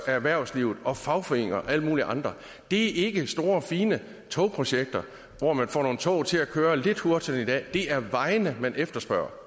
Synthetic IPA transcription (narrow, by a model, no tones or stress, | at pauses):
ææʋæɐ̰ʊsliːʊð̩ˠɒ̽fɑ̈ʊfɒ̽e̝̰n̰ŋɐʔæl̰muːliʔɑ̈nd̥ʁɐ | d̥e̝æɐʔe̝ɡ̥əsd̥o̝ːɐɒfiːnə | t͡sʰɔ̽ʊpʰʁo̝ɕeɡ̥̚d̥ɐ | ʋɒmænfɒ̰ːno̝ːn̩t͡sʰɔ̽ʊ̰t͡sʰe̝lækʰøːɐle̝d̥huɐd̥snid̥ɛ̰ːd̥e̝ʔæɐʋɑ̈ɪnəmænʔefd̥ɐsb̥ɶ̰ɐ